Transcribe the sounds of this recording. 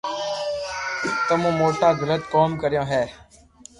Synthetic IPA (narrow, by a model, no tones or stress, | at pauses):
t̪əmũːmoːʈaːzələt̪koːmkəɾɪjõːɦɛː